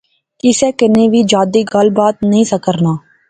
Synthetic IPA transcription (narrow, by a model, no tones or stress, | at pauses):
ɪseːkɪneːʋiːd͡ʒaːd̪iːɡəlbaːt̪̚nəɦĩsəkəɾnaː